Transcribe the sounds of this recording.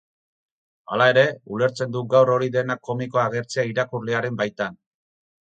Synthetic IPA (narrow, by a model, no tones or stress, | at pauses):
a̰lae̞ɾe̞ule̞ɾt͡se̞nd̪uɡawro̞ɾiðe̞nakːo̞miko̞aɣ̞e̞ɾt͡seaiɾakurleaɾe̞mbajt̪an